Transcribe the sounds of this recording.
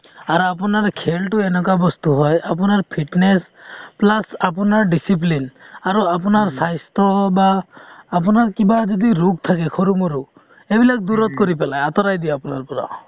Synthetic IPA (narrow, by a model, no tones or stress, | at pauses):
aɾapunaɾkʰelʈuenɔkabɔst̪uɦɔjap̬unaɹpʰiʈnes | plasapɔnaɹɖisip̬linaɾuapunaɾsajst̪ɔbaː | punaɾkibad͡ʒɔd̪iɾuk̚t̪ʰakɛkʰɔɾumɔɾu | ebilak̚d̪uɾɔt̪̚kɔɾipɛlajat̪ɔɾajd̪iapunaɾpɔɾa̰